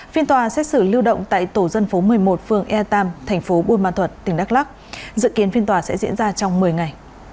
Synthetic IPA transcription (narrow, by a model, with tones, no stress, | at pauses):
fi˧ənt̪waː˨˩sɛ˦˥t̚sɨ˧˩li˧wɗə̰˧˨wŋ͡mt̪a̰ː˧˨jt̪o˧˩zə˧nfo˨˦mɨ˨˩əjmo˨˩t̚fɨ˧əŋʔɛ˧t̪aː˧mt̪ʰɛ˨˩jŋ̟fo˨˦ɓu˧nma̰ː˧˨nt̪ʰwə˨˩t̚t̪ï˨˩ŋ̟ɗaː˦˥k̚laː˦˥k̚ | zɨ̰˧˨ki˨˦ənfi˧ənt̪waː˨˩sɛ̰˧˥zḭ˧˥ənzaː˧t͡ɕɔ˧wŋ͡mmɨ˨˩əjŋa˨˩j